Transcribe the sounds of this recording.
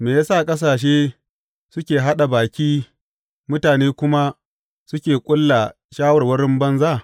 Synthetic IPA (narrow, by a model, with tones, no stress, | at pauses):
meː˨jaː˦sa˦˨kʼɐ˦s̬aː˨ʃ̬eː˦ | sʊ˦kʲeː˨ɦa˦ɗa˨baː˨kʲiː˦ | mʊ˦taː˨neː˦kʷʊ˦ma˦ | sʊ˦kʲeː˨kʷʼʊ˦lːa˨ | ʃaː˦wɐ˨rwɐ˦ɽɪ˦mbɐ˦nza˦˨